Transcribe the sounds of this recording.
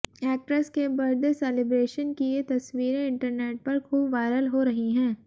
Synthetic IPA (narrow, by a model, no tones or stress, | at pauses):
ɛːk̚ʈɾəskebɐɾd̪esɛːlɪbɾeːʃənkiet̪ɐsʋiːɾẽɪ̃ɳʈəɾneːʈ̚pɐɾkʰuːbʋaːɪɾəlɦoɾɐɦiɦɛ̃ː